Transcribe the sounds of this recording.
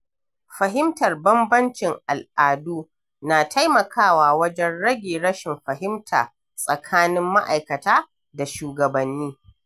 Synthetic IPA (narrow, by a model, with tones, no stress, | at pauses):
ɸɐ˨ɦɪ˦mtɐ˨rbɐ˦mbɐ˦nt͡ʃɪ˨ŋʔa˨lʔaː˨duː˦ | naː˨tʰa˦jmɐ˨kʰaː˦˨waː˨wɐ˦d͡ʒɛ˦nɽɐ˦ɡʲiː˨ɽɐ˦ʃɪ˨mɸɐ˨ɦɪ˦mtʰa̰ː˨ | sʼɐ˨kʰaː˦nɪ˦mːa̰˦ʔa˨jkɐ˨taː˦ | da˨ʃuː˨ɡɐ˨bɐ˨nːiː˦